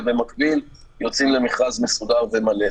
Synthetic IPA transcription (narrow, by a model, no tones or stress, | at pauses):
ve̞makbil | jo̞t͡simle̞miχazme̞sudaʁve̞male